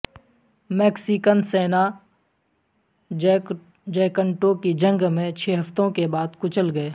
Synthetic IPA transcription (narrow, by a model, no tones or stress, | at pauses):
meːksikənseːna | d͡ʒɛːkəɳʈokid͡ʒə̃ŋɡmẽt͡ʃʰɛːɦɐft̪õkebaːd̪kʊt͡ʃəlɡɐeː